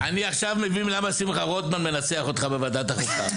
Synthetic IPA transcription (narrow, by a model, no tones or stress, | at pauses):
aniaχʃavmevinlamasimχaʁot̪manme̞nat͡seaχot̪χabe̞vad̪at̪aχufa